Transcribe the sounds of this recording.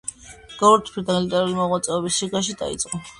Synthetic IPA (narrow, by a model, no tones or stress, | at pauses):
ɡ̥ɔɾt̪ʰpʰid̪alit̪ʼɛɾulimɔʁwat̪sʼɛɔbisːiɡaʃ̬id̪a̰ḭt̪sʼqʼɔ